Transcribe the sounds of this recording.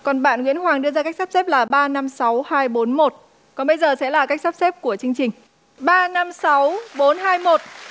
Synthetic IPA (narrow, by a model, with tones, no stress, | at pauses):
kɔ˨˩nɓa̰ː˧˨nŋḭ˧˥ənhwaː˨˩ŋɗɨ˧əzaː˧ka˦˥k̚sa˦˥p̚sɛ˦˥p̚laː˨˩ɓaː˧na˧msa˨˦whaː˧jɓo˨˦nmo˨˩t̚ | kɔ˨˩nɓə˧jzəː˨˩sɛ̰˧˥laː˨˩ka˦˥k̚sa˦˥p̚sɛ˦˥p̚ku˧˩ət͡ɕɨ˧əŋt͡ɕï˨˩ŋ̟ | ɓaː˧na˧msa˨˦wɓo˨˦nɦaː˧jmo˨˩t̚